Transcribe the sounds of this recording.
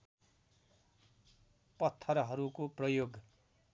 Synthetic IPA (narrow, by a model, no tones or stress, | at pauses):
pʌt̪ʰːʌɾʌɦʌɾukoprʌjoɡ